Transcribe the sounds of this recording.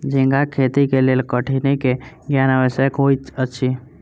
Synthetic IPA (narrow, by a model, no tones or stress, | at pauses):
d͡ʒĩŋɡakʰet̪ikelelkəʈʰinekeɡjanəʋəsəkɦoiətːʃʰi